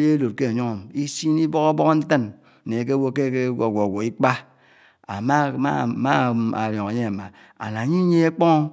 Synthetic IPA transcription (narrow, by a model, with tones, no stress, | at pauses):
je˦lo˨t̚ke˦a˨ɲo˦ŋo˨m˨i˦si˦ni˦bo˦ko˦bɔ˦kn̩˦tə˦n˨ | ne˨k̬e˦wo˦ke˦ke˦o˨ɡo˨ɡʷo˨i˦k͡pa˦ | a̰˨ma˦˨ma˦˨a̰˨ɾjo˨ŋa˨ɲe˦a˨ma˨ | a̰˨na˨ɲi˦ɲe˦e˦k͡pɔ˦ŋ˦